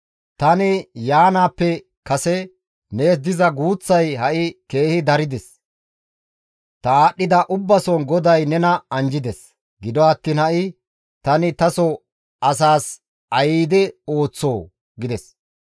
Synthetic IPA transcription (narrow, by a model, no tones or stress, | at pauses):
t̪ɐnɪjaːnaːpːɛ | kɐsɛ | neːs̬d̪ɪzɐɡuːt͡sːɐjhɐʔɪke̞ːhɪd̪ɐɾɪd̪ɛs | t̪ɐaːɗːɪd̪ɐʔʊbːɐsɔnɡɔd̪ɐjnɛnɐɐnd͡ʒɪd̪ɛs | ɡɪd̪ɔɐt̪ːiːnhɐʔɪ | t̪ɐnɪt̪ɐsɔ | ʔɐs̬aːs | ɐjiːd̪ɛo̞ːt͡sːoː | ɡɪd̪ɛs